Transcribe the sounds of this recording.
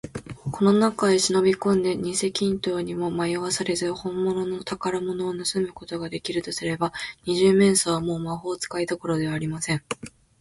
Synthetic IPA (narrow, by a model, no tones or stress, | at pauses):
kʰo̞no̞nakaeɕino̞bʲikõ̞nd̪e̞ɲ̟ĩse̞kʲĩnt̪o̞ːɲ̟imo̞majoβasaɾe̞zɨhõ̞mːo̞no̞not̪akaɾamo̞no̞ːnɯsɨmɯ̟ko̞t̪o̞ɡad̪e̞kʲiɾɯ̟t̪o̞sɨɾe̞baɲ̟iʑɨːmẽ̞ɰ̃soβamo̞ːmaɦo̞ːt͡sɨ̥kait̪o̞ko̞ɾo̞d̪e̞βaːɾʲimasẽ̞ŋ